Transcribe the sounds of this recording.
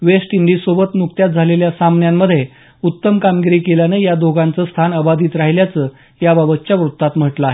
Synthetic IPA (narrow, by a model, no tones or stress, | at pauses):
ʋesʈiɳɖiːsobət̪nuk̚t̪jat̪̚d͡zʱaleljasamnjamːəd̪ʱːje | ut̪ːəmkamɡiɾiːkeljanejad̪ʱoɡant͡səst̪ʰanəbad̪iːt̪ɾaɦiljat͡sə | jababət̪t͡ɕjaʋɾut̪ːat̪m̤əʈlaaːɦe